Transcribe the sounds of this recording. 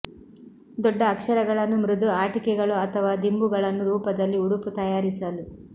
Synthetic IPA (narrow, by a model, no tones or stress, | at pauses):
d̪ɔɖːɐːkʂɐɾɐɡɐɭɐnːumɾud̪uaːʈikɛɡɐɭuɐt̪ʰɐʋaːd̪imbuɡɐɭɐnːuɾuːpɐd̪ɐlːiuɽuput̪ɐjaːɾisɐlu